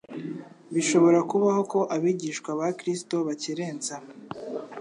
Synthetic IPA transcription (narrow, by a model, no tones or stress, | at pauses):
βiʃo̞βo̞ɾakuβaho̞ko̞ʔaβiːɟiːʃkwaβakɾisto̞βaciɾe̞ːnza